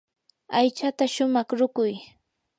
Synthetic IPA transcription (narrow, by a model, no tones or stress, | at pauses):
ajt͡ʃat̪aʃʊmɑχɾʊkʊj